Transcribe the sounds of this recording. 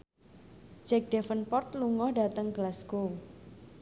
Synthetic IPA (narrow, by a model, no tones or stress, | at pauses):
d͡ʒɛk̚dɛfənpɔrt̪luŋɔhɖat̪əŋkəlasko